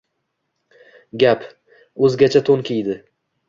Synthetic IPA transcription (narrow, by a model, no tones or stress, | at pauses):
ɡʲap | ɵzɡʲat͡ʃʰat̪ʰonkʲʰijd̪ɪ